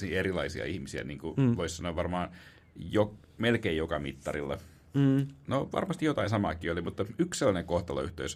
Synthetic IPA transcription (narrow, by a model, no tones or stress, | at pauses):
ierilɑisiɑ̰ihmisiæ̰niːŋkuʋoissɑnoːʋɑrmɑːn | jo | melkeijjokɑmit̪ːɑrilːɑ̰ | noʋɑ̰rmɑst̪ijot̪ɑinsɑmɑ̰ˑkˑiːolimut̪ːɑykselːɑneŋkoht̪ɑlɑ̰yht̪ø̰ys